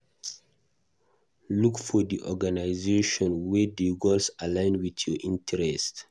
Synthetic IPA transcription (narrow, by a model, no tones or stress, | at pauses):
lukfɔdiʔɔɡanaɪzeʃɔ̃nwɛdiɡɔlsalãɪ̃nwitʰjɔʔĩntʰɛɹɛst